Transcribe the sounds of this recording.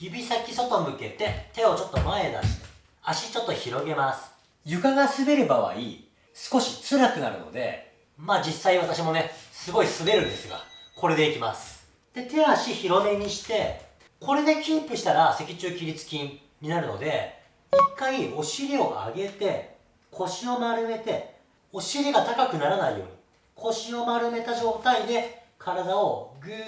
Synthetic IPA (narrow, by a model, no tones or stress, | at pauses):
jibʲisakʲiso̞t̪o̞mɯ̟ke̞t̪e̞t̪e̞o̞t͡ɕo̞t̪ːo̞mae̞d̪a̰ɕi̥t̪e̥ | aɕit͡ɕo̞t̪ːo̞çiɾo̞ɡe̞masɨ̥ | jɯ̟kaɡasɨbe̞ɾɯ̟baβa̰ḭ | sɨ̥ko̞ɕi̥t͡sɨɾakɯ̟na̰ɾɯ̟̰no̞̰d̪e̞̰ | maːd͡ʑisːaiβat̪aɕimo̞ne̞sɨɡo̞isɨbe̞ɾɯ̟nd̪e̞sɨɡa̰ko̞ɾe̞d̪e̞ikʲimasɨ̥ | d̪̥e̞t̪e̞aɕiçiɾo̞me̞ɲ̟iɕi̥t̪e̞ | ko̞ɾe̞d̪e̞kʲĩmpɯ̟ɕi̥t̪aɾase̞kʲit͡ɕɨːkʲiɾʲit͡sɨ̥kʲĩn | ɲ̟inaɾɯ̟no̞̰d̪e̞̰ | ikːaio̞ɕiɾʲio̞ʔa̰ɡe̞t̪e̞ | kʰo̞ɕio̞maɾɯ̟me̞t̪e̞ | o̞ɕiɾʲiɡat̪akakɯ̟naɾanaḭjo̞̰ːɲ̟i | kʰo̞ɕio̞maɾɯ̟me̞t̪aʑo̞ːt̪aid̪e̞ | kʰaɾad̪ao̞ɡɯ